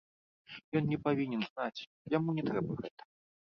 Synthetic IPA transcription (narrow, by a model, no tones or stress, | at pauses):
jɔnnʲɛpavʲinʲɛnznat͡sʲ | jamunʲɛt̪ɾɛbɐɣɛt̪ɐ̥